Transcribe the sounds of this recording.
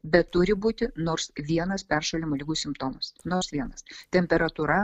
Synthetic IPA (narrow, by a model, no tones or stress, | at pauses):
bʲɛt̪ːʊɾʲɪbuːt̪ʲɪnoːɾsʋʲiɛnɐspʲɛrʃɐlʲɪmoːlʲɪɡuːsʲɪmpt̪oːmɐsnoːɾsʋʲiɛnɐst̪ʲɛmʲpʲɛɾɐt̪uːɾɐ